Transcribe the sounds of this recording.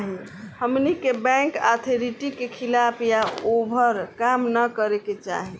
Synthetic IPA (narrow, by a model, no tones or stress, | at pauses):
ɦi | həmnikebɛ̃ŋka̰t̪ʰeɾiʈikekʰilapʰjaobʱəɾkamnəkəɾeket͡ʃa̰ɦi